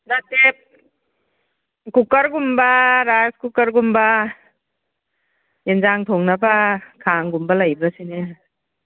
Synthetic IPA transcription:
natep̚ | kukɐɾɡumbaɾajskukɐɾɡumba | jenzaŋtʰɔŋnabakʰaŋɡumbalajbɐsine

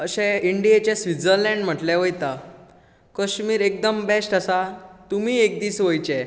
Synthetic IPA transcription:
əɕẽiɳɖiet͡ɕesʋid͡zəɾlɛ̃ɳɖm̤əʈlɛʋəjt̪a | kəɕmiːɾek̚d̪əmbesʈəsat̪umiːek̚d̪iːsʋəjt͡ɕɛ

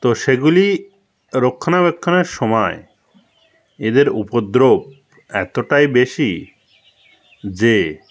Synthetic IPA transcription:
t̪oʃeɡuli | ɾokʰːonabekʰːoneɾʃɔmɔe | ed̪eɾupod̪ɾob̚ | ɛ̰t̪oʈajbeʃi | d͡ʑe

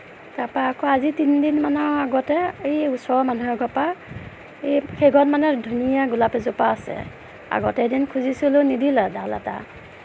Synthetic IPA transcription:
tapaakɔazitindinmanɔaɡɔtɛejusɔɹɔmanuɦɛɡʱɔpa | ejkʰeɡɔnmanɛdʱunijaɡulapɛzupaːsɛ̰ | a̰ɡɔtɛdinkʰuzisulʊnidilɛdʱala̰ta̰

